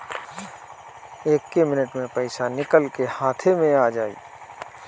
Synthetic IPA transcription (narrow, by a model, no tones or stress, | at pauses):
eːkːemɪnəʈmẽpɐɪsanɪkəlkehãːt̪ʰemẽaːd͡ʒaːḭː